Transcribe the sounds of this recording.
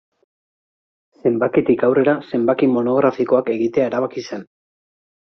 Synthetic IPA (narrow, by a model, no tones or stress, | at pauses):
se̞mbakit̪ikawre̞ɾase̞mbakimo̞no̞ɣɾafiko̞ake̞ɣit̪e̞ae̞ɾaβ̞akise̞n